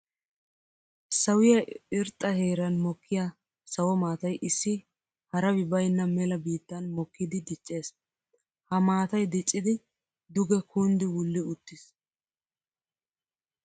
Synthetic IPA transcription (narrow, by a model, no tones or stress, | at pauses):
sɐwɪjɐɪɾt̪ʼːɐheːɾɐnmɔkʰːɪja | sɐwɔmaːt̪ɐjʔɪsːɪ | hɐɾɐbɪbɐjnːɐmɛlɐbiːt̪ːɐnmɔkːɪd̪ɪd̪ɪt͡ʃʼːe̞ːs | hɐmaːt̪ɐjd̪ɪt͡ʃʼːɪd̪ɪ | d̪ʊɡɛkʰuːnd̪ɪwʊlːɪʊt̪ːɪs